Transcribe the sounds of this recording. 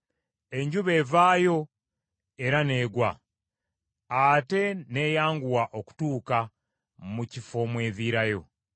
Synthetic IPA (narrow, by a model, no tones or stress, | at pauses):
e̞ɲɟuβe̞ːvaːjo̞ | e̞ɾane̞ːɡwa | ate̞ne̞ːjaːŋɡuwaʔo̞ku̥tuːka | mucifo̞mwe̞ːðiɾajo̞̰